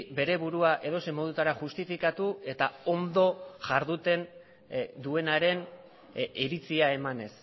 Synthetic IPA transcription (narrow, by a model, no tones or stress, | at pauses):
be̞ɾe̞βuɾuaʔe̞ð̞o̞se̞mo̞ð̞ut̪aɾaʝust̪ifikat̪ue̞t̪ao̞nd̪o̞ʝaɾðut̪e̞n | d̪ue̞naɾe̞n | iɾit͡siae̞mane̞s